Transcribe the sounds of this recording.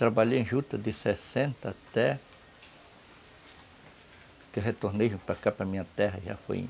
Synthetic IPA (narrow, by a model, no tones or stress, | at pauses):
t̪ɾabaleẽʃut̪ad̪isesent̪at̪e | keɦet̪ohniʃpakapamiat̪eɦaha̰fḛɲ